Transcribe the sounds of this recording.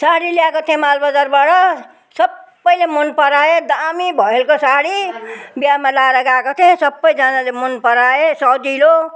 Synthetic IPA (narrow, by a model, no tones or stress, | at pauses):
saɽilijakot̪ʰẽẽmalbʌd͡zarbaʈʌ | sʌbːʌjlemonpʌɾaed̪amibʱʌɦelkosaɽibjamalaɾʌɡakot̪ʰeɦẽsʌbːʌjd͡zanalemonpʌɾaesʌd̪ilo